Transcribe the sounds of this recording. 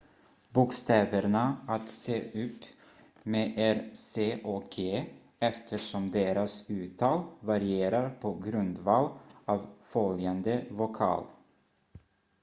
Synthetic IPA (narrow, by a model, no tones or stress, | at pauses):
buːkst̪ɛːvəɾɳaat̪seːʔʉ̟ːp | meːʔɛɾseːʔokʰeː | ɛft̪ʰəʂɔmd̪eːɾasʉ̟ːt̪ʰɑːlvaɾɪeːɾaɾpʰɔɡɾɵnd̪vɑːlɑːvfœljand̪əvʊkʰɑ̰ːl